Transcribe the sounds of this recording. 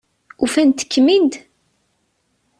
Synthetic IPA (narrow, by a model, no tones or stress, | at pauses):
ufænt̪ːə̥kːmind̪